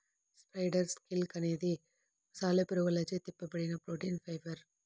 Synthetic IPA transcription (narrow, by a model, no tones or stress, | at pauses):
spɐɪɖɐɾskɪlkɐneːði | saːlɐpɪɾɐʋɐlɐd͡ʒɐt̪ɪpːɐpːɐɽɪnɐpɾoːʈinfɐɪʋɐɾ